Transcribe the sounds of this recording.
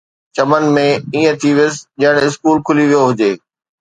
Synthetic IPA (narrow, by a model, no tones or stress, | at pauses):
t͡ɕɐmən̆mẽiːə̃t̪ʰiʋɪjʊsd͡ʑɐ̃ɪɽ̃ɪskuːlkʰʊliʋijoɦʊd͡ʑeː